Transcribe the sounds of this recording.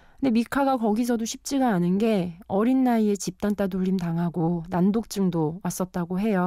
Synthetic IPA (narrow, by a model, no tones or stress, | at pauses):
kɯndemikʰaɡakʌɡis̬ʰʌdoɕʰip̚t͡ɕ͈iɡaːnɯnɡe̞ʌɾinːaie̞t͡ɕip̚t͈ant͈ad̬oʎːimtaŋɦaɡonandok̚t͡ɕ͈ɯŋdowas͈ʌt̚t͈aɡoɦe̞jo